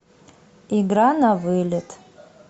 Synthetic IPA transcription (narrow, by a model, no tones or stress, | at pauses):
iɡɾanavɨlʲetʼ